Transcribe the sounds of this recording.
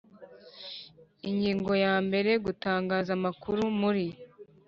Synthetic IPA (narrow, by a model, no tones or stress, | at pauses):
iɲɟiːŋɡo̞jaːmbe̞ɾe̞ɡutaːŋɡaːzamakuɾumuɾi